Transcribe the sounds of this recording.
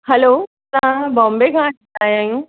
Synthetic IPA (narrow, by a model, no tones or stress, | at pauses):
hɛlo | sãbɔ̃mbekã | ajɛ̃ŋ